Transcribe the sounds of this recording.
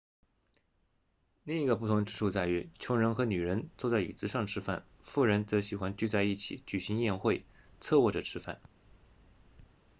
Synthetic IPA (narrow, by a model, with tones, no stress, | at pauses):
li˥˩ŋi˧˥ɡə˧p̬u˥˩t̪ʰʊ˧˥ŋʈ͡ʂɻ̩˥˧ʂu˥˧t͡sa˥˩ɪy˧˥t͡ɕʰjʊ˧˥ŋɻə˧˥nxɤ˧˥ny˨˩ɻə˧˥nt͡so˥˧t͡sa˥˩ɪi˨˩t͡sɹ̩˧˥ʂɑ˥˩ŋʈ͡ʂʰɻ̩˧˥fa̰˥˩n | fu˥˩ɻə˧˥nt͡sɤ˧˥ɕi˨˩xwa˧˥nt͡ɕy˥˧t͡sa˥˧ɪi˥˩t͡ɕʰḭ˨˩˦t͡ɕy˨˩ɕi˧˥ŋjɛ˥˧nxwe˥˩ɪ | t͡sʰɤ˥˧wɔ˥˩ʈ͡ʂə˨˩ʈ͡ʂʰɻ̩˧˥fa̰˥˩n